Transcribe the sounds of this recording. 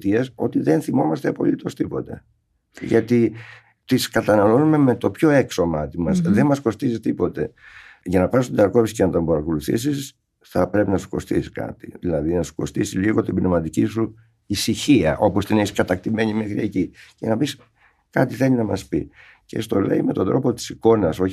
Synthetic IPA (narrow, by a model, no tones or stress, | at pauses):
t̪ieso̞t̪iðe̞nθimo̞mɐst̪eɐpo̞̰lit̪o̞st̪ipo̞t̪ḛ | ʝɐt̪i | t̪iskɐt̪ɐnɐlo̞nume̞me̞t̪o̞pço̞e̞kso̞mɐt̪imɐsðe̞nmɐsko̞st̪izist̪ipo̞t̪e̞̰ʝɐnɐpɐsst̪id̪ɐɾko̞psi̥cenɐt̪ombɐɾɐko̞luθḭs̬is | θɐpɾe̞pinɐsu̥ko̞̰st̪ḭsiskɐ̰t̪iðilɐðinɐsu̥ko̞̰st̪isiliɣo̞t̪ibnevmɐt̪icisu | isiçiɐ̰ʔo̞po̞st̪ineiskɐt̪ɐk̚t̪ime̞ɲimexɾie̞cicenɐpis | kɐt̪iθe̞lʲinɐmɐ̰spḭ | ce̞̰st̪o̞le̞̰ime̞t̪od̪ɾo̞po̞t̪i̥siko̞nɐso̞ç